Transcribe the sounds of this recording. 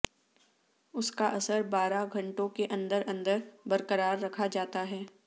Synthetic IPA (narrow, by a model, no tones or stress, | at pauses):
ʊskaʔɐsəɾbaːɾaɡʱɐ̃ɳʈõkeʔɐ̃nd̪əɾɐ̃nd̪əɾbɐɾkəɾaːɾːɐkʰad͡ʒaːt̪aɦɛː